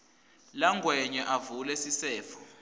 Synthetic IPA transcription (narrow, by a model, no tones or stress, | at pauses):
laŋɡʱwɛɲɛʔavulɛsisɛːfɔ̥